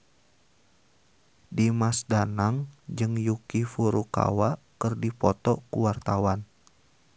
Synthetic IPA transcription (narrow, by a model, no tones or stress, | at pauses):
dimasdanaŋd͡ʒɨŋjukifuɾuka̰wakərdipɔt̪ɔkṵwart̪awan